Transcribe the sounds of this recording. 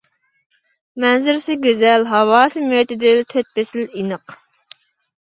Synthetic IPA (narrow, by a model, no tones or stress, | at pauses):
mɛnzɪɾsɪɡʲøzɛlɦɑwɑːsɨmøt̪ɪd̪ɪt̪ʰøt̪̚pɪsɪlinəq